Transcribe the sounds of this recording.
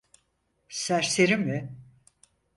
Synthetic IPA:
sæɾseɾimːɪ

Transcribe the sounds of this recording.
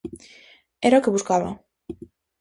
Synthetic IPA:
eɾokeβuskaβa̰

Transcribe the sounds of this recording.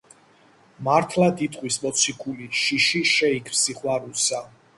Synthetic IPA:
maɾt̪ʰlad̪it̪ʼqʼwismɔt̪sʰikʰuliʃiʃiʃɛikʰɾsiχwaɾusa

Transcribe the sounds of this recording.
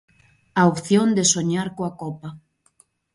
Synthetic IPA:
aopθjond̪ɪsoɲaɾkoakɔpɐ

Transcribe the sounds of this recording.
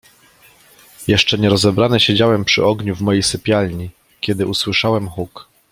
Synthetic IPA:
jɛʂt͡ʂɛɲɛɾɔzɛbɾanɘɕed͡ʑawɛmpʂɘ̰ɔɡɲuvmɔjejsɘpʲjalʲɲi | kʲɛd̪ɘuswɘʂawɛmxuk

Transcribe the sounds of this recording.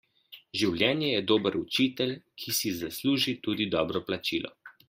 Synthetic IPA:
ʒiwlʲjɛːnjɛjɛd̪oːbəɾut͡ʃit̪ɛlʲkʰisizasluːʒit̪uːd̪id̪ɔːbɾɔplat͡ʃiːlɔ̰

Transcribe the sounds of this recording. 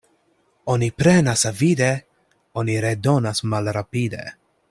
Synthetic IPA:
onipɾenasavid̪e | oniɾed̪onasmalɾapid̪ḛ

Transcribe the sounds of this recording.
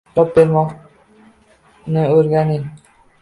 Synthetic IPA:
ɒp̚beɾmɒq | nɪoɾɡʲanɪ

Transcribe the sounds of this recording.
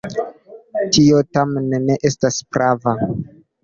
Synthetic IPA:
tiotamneneʔe̞staspɾava

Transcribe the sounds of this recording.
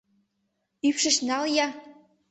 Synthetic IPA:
ypʃə̆ʃnɑljɑ

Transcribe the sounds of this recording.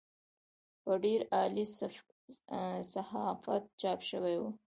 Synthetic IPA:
pəɖeɾɑli | sahɑfa̰t̪̚t͡ʃɑpʃəwewu

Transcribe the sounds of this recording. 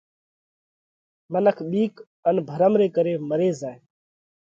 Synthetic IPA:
mənəkʰɓiːk | ənbʱəɾəmɾeːkəɾeːməɾeːzaːe

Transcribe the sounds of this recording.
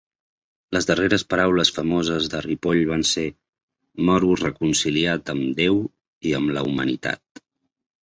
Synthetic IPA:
ləzðəreɾəspəɾawləsfəmozəzðəripoʎβanse | mɔɾurəkunsiliat̪əmd̪ew | iəmlə̰umənḭt̪a̰t̪̚

